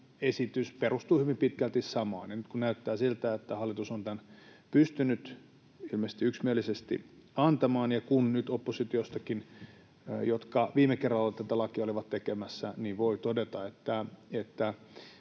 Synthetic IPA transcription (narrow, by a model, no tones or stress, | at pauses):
esit̪ysperust̪uːhyʋimpit̪kælt̪issɑmɑ̰ːnenyt̪̚kunnæyt̪ːæːsilt̪æet̪ːæhɑlːit̪usont̪ænpyst̪ynyt̪ | ilmest̪iyksmielisest̪ḭɑnt̪ɑmɑːnjɑkunnyt̪opːosit̪iost̪ɑkin | jot̪kɑʋiːmekerːɑlːɑt̪æt̪ælɑkiɑoliʋɑt̪t̪ekemæsːæniʋʋoit̪odet̪ɑet̪ːæet̪ːæ